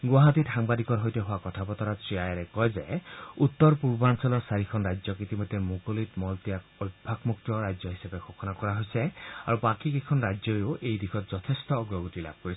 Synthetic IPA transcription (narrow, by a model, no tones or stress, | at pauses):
ɡwaɦat̪ithaŋbad̪ikɔɾɦɔjt̪eɦoakɔtʰapɔt̪ɔɾatɹiajaɾekɔjzeut̪ːɔɾpuɾbɔansɔlɔɾsaɾikʰɔnɾajd͡ʒjɔkit̪imɔd̪ːemukolit̪mɔlt̪ijakɔjbbʱakmuk̚t̪ɔɾajd͡ʒjɔɦisabexʰokʰɔnakɔɾaɦojsea̰ɾupakikekʰɔnɾajd͡ʒjɔeoʔejd̪ikʰɔt̪zɔt̪ʰest̪ɔːɡɾɔɡutila̰b̚ʱkoɾis